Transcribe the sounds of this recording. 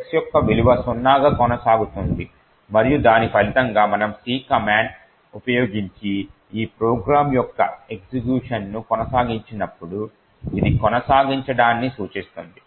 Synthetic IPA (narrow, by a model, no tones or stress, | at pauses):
ɐksjɔkːɐʋiliʋɐsunːaːɡɐkɔnɐsaːɡut̪und̪i | mɐɾijud̪aːnipʰɐlit̪ɐŋɡaːmɐnɐmsiːkɐmaːɳɖ | upɐjoːɡiɲt͡ʃi | iːpɾoːɡɾaːmjɔkːɐ̰e̞ksikjuːʂɐnːukɔnɐsaːɡiɲt͡ʃinɐpːuɽu | id̪ikɔnɐsaːɡiɲt͡ʃɐɽaːnːisuːt͡ʃist̪und̪i